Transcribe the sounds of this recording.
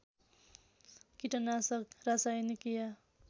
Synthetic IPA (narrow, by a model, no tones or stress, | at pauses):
kiʈʌnasʌkrasajnikija